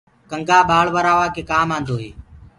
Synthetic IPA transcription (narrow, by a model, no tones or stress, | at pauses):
kəŋɡaːɓaːɭʋəɾaːʋaːkeːkaːmãːnd̪oːɦeː